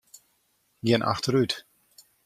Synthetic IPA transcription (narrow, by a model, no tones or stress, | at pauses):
ɡɪnʔa̰xtəɾyt